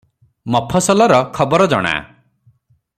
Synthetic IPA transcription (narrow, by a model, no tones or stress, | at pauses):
mɔpʰɔsɔlɔɾɔkʰɔbɔɾɔd͡ʒɔ̰ɽ̃a̰